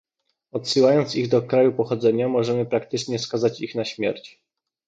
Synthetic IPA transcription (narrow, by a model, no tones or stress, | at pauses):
ɔt̪sɘwajɔnt̪siɣd̪ɔkɾajupɔxɔd̪zɛɲamɔʐɛmɘpɾakt̪ɘt͡ʂɲɛskazat͡ɕixnaɕmʲjɛ̰ɾt͡ɕ